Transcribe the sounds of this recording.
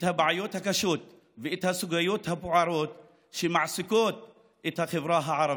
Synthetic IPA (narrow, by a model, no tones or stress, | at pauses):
ʔt̪habaʕajoːt̪hakaʃoːt̪ | vɪʔɪt̪hasʊɡajoːt̪habʊʕɑɾˤoːt̪ | ʃɪmaʕsɪkoːt̪̚ | ʔɪt̪haxɪbɾˤɑːɦaʕɑɾˤɑb